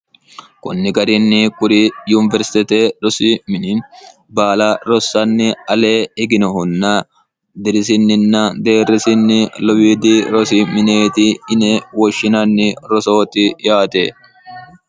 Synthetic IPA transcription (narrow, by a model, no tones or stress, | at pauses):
kʊ̰nːɪɡɐɾɪnːɪkʊɾɪjuːnɪvɛɾsɪ̥t̪ɪt̪eːɾɔsɪmɪnɪn | baːlaɾɔsːɐnːɪɐleːɪɡɪnɐɦʊnːa | d̪ɪɾɪs̬ɪnːɪnːɐd̪eːrɛsɪnːɪlɔwiːd̪iɾɔsɪmɪneːt̪ɪɪnɛwɔʃːɪnɐnːɪɾɔso̞ːt̪ɪjaːt̪eː